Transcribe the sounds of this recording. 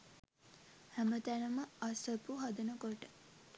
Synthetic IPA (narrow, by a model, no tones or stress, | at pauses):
hæmət̪ænəməasəpuɦad̪ənəkoʈə